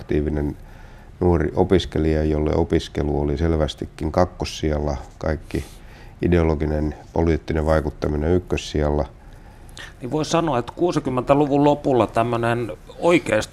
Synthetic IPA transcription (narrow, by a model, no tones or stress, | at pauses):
t̪iːʋinen | nuorḭʔopiskeliɑjjolːḛʔopiskeluoliselʋæst̪ikːiŋkɑkːossiɑlːɑkɑikːi | ideoloɡinenpoliːt̪ːineʋʋɑikut̪ːɑmineykːøssiɑlːɑ | niʋʋoissɑnoɑet̪kuːsikymːent̪æluʋullopulːɑt̪æmːønenoikeist̪